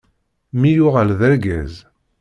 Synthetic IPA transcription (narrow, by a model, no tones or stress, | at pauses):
mijʊʁəlðæɾɡæ̰z